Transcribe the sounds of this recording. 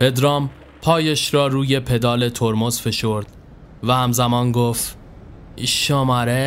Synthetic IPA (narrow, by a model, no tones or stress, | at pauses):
pe̞d̪ɾɒːm | pʰɒːjeʃɾɒːɾuːje̞pʰe̞d̪ɒːle̞t̪ʰoɾmozfe̞ʃoɾd̪̥ | væhæmzæmɒːnɡoːft̪ | iʃomæɾe